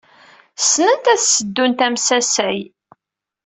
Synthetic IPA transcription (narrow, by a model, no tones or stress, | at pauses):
snənt̪æθsəd̪ːunt̪æmsæsæj